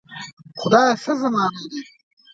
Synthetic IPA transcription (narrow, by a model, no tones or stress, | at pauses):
xʊd̪ɑːsɐzɐmɑːnad̪i